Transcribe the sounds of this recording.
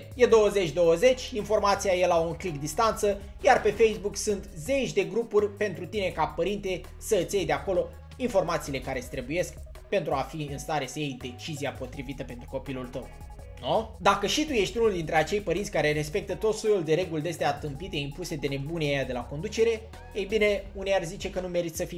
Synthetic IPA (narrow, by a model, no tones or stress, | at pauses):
je̞d̪o̞wəze̞t͡ʃʲd̪o̞wəze̞t͡ʃʲinfo̞rmat̪siaje̞lauŋklikd̪ist̪ant̪sə | jarpe̞fejsbuksunt̪ze̞t͡ʃʲd̪e̞ɡɾupurʲpe̞nt̪ɾut̪ine̞kapəɾint̪e | səɨt̪sʲjejd̪e̞ako̞lo̞ | info̞rmat̪siːle̞kaɾesʲt̪ɾebuje̞sk | pe̞nt̪ɾuafiɨnst̪aɾe̞səjejd̪e̞t͡ʃiziapo̞t̪ɾivit̪əpe̞nt̪ɾuko̞pilult̪əw | nud̪akəʃit̪uje̞ʃt̪ʲunuld̪int̪ɾe̞at͡ʃe̞jpəɾint̪sʲkaɾe̞ɾe̞spe̞k̚t̪ət̪o̞t̪sojuld̪e̞ɾe̞ɡuld̪est̪eat̪ɨmpit̪e̞impuse̞d̪e̞ne̞buneejad̪e̞lako̞nd̪ut͡ʃe̞ɾe̞ | ejbine̞unejarzit͡ʃe̞kənume̞ɾit̪səfij